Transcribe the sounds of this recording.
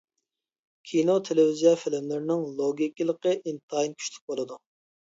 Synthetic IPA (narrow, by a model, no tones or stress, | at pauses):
kʲʰinot̪ʰelɪvizijɑfɪlɪmlɪɾnɪŋlˠoɡʲikʲilˠəqəʔint̪ʰɑinkʲʰy̥ʃly̥k̚ʲbolˠɨd̪u